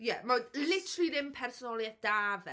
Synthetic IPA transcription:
jɛmalɪtʰlˠiɾɪmpʰɛrsɔnɔlˠjɛd̥avɛ

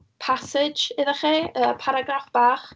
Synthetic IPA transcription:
pʰasɪd͡ʒɪðɛχiːəːpʰaɾaɡrafb̥aːχ

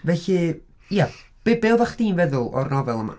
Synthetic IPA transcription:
vɛɬɨ | ja | b̥ɪbɪlˠvaχd̥iːnvɛðʊlˠɔ̰rnɔvɛlˠəma̰

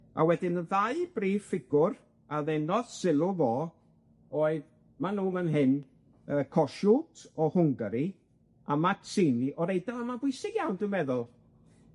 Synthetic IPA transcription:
a̰wɛdɪnəðaɨb̥riːfɪɡʊr | aðɛnɔðsɪlˠʊvɔː | oːɨð | manuːmənɦɪn | əːkʰɔʃutʰɔhʊŋɡəɾi | amatʰsiniʔɔɾejdalˠamabʊɨsɪɡjawndʊmɛðʊlˠ

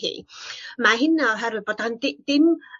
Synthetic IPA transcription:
hḭːmaɦɪnaɔɦɛɾwɪbɔd̪and̪ɪd̪̥ɪm

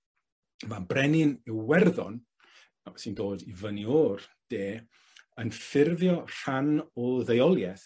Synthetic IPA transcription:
mabrɛnɪnɪwwɛrðɔ̰n | asindoːdivənioːrd̥eː | ənfɪrðjɔr̥anɔlˠðejɔlˠjɛθ

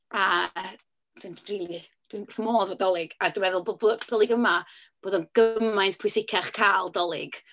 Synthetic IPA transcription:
a | d̥winnriːlˠi | d̥winmoːvɔdɔlˠɪɡ̥adiwɛðʊlˠbobod̥ɔlˠɪɡəmab̥oːdɔnɡ̥əmajntpʰʊsɪkʰaχkʰaːlˠdɔlˠɪɡ̥

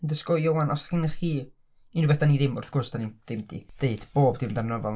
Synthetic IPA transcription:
ndəskɔjowanɔsḁkɪnəχiː | inubɛθd̥aniðɪmʊ̰rθɡ̥ʊrsd̥anid̥ɪmd̥ḭd̥eɨd̥b̥oːbdɪmdanɔvɔlˠ

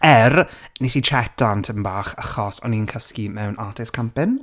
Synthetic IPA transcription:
ɛrnesitʰɛtantʰəmbaːχəχɔsɔ̰niənkʰəskimɛwnʔaːtʰɪskʰampɪn

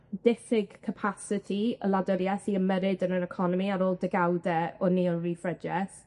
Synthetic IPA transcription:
d̥ɪθɪɡ̥kʰəpʰasɪtʰiə̰ladɔɾjɛθiəmɛɾɪdənəɾɛkʰɔnɔmiaɾoːlˠdəɡawdɛɔniɔrifrəd͡ʒɛθ

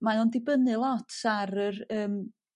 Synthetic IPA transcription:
manɔndɪbənɨlˠɔtʰaɾərəːm

